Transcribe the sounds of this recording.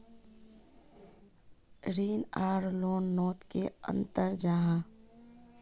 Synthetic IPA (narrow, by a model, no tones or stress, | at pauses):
ɾiːnaːɾloːnːoːt̪keə̰̃nt̪əɾd͡ʒaɦã